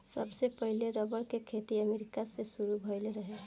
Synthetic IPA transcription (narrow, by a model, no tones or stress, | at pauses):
səbsepəɦileɾəbəɽkekʰet̪iəmeɾikasesuɾubʱɔjleɾəɦe